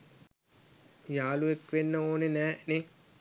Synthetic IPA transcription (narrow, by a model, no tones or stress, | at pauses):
jaːluekʋenːəoːnenɛːne